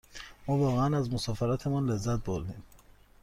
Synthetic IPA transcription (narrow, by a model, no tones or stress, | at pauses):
mɒːvɒːɣeænæzmosɒːfeɾɒːt̪ʰe̞mɒnle̞zːæt̪̚boɾd̪iːm